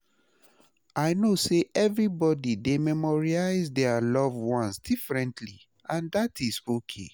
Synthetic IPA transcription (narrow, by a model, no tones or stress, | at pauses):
ʔaɪnoseʔɛvɹibɔdidemɛmɔɹiaɪzdɛalɔvwɔ̃nsdifɹɛ̃ntʰli | ãndatʰizokʰḛ